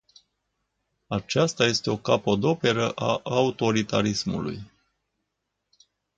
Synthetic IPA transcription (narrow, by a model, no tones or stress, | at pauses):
at͡ʃast̪aje̞st̪e̞o̞kapəd̪o̞pe̞ɾəʔaʔaut̪o̞ɾit̪aɾismṵlṵj